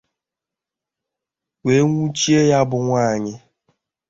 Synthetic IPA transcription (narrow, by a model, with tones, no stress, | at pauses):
we˨˦ŋu˦t͡ʃi˦e˦ja˦bʊ˨ŋʷaː˦˨ɲɪ˦